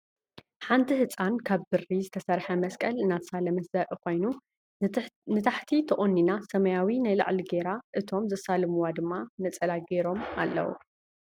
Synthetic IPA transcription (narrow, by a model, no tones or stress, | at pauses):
ħant̪ʰihɨt͡sʼankʰaβbɨrizɨt̪ʰɐsɐɾħɐmɐskʼɐlɨnːat̪salɐmɐt̪zɐɾʔʼɨko̞jnu | nɨt̪ʰaħt̪ʰit̪ʰɐʔʼonːinasɐmɐjawinajla̰ʕliɡeɾaʔɨt̪ʰo̞mzɐsalɨmɨwad̪ɨmːanɐt͡sʼɐlaɡeɾo̞ma̰lːɐ̰wṵ